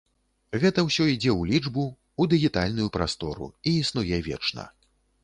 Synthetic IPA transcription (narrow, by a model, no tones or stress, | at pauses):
ɣɛt̪ɐwsʲɔid͡zʲɛwlʲid͡ʐbuː | d̪ɨɣʲit̪alʲnujupɾast̪ɔɾṵiːsnujɛvʲɛ̰t͡ʂnɐ̰